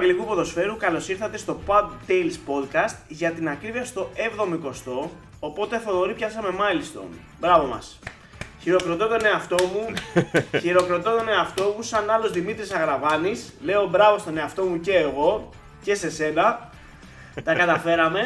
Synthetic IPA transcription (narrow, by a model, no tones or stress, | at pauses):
eɐɟelikupo̞ðo̞sfe̞ɾukɐlo̞siɾθɐt̪e̞st̪o̞pɐd̪t̪ejlspo̞d̪kɐst̪ʝɐt̪inɐkɾiviɐst̪o̞e̞vðo̞moiko̞st̪o̞ː | po̞t̪e̞θooɾipçɐsɐme̞mɐlst̪o̰ | bɾɐvo̞mɐ̰s | çiɾo̞kɾot̪o̞t̪o̞ne̞ɐft̪o̞mu | çiɾo̞kɾot̪ot̪o̞ne̞ɐft̪o̞musɐnɐlo̞zðimit̪ɾisɐɣɾɐvɐnisle̞obɾɐvo̞st̪o̞ne̞ɐft̪o̞muce̞ːɣo̞ | ce̞se̞se̞nɐ | t̪ɐkɐt̪ɐfe̞ɾɐme̞